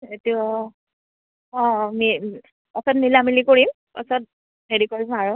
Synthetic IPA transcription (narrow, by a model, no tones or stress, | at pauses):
eti | ɔ̃mi | ɔpɛnnilamilikoɹim | pɔ̰sɔt̚ | medikɔlimaɹʊ